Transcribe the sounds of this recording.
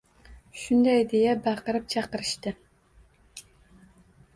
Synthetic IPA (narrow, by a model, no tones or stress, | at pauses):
ʃʊnd̪ɛjd̪ejɛbɑqəɾɨp̚t͡ʃʰɑqəɾɨʃt̪ɨ